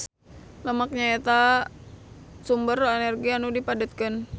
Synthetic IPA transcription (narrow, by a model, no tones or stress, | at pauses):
ləmak̚ɲaet̪a | sumbərɛnɛrɡianudipadət̪̚kən